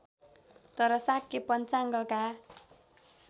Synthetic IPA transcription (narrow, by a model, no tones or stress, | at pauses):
t̪ʌɾʌsakːepʌnt͡saŋɡʌka